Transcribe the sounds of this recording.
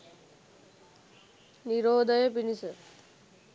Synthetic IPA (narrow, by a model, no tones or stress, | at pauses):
niɾoːd̪ʱəjəpinisə